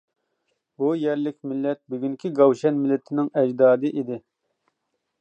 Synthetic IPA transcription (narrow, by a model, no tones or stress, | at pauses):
bujɛɾlɪkʲmɪlːɛt̪̚byɡʲyŋkʲʰiɡɑwʃɛnmɪlːɪt̪ʰɪnɪŋɛd͡ʒd̪ɑːd̪ɨʔid̪ɪ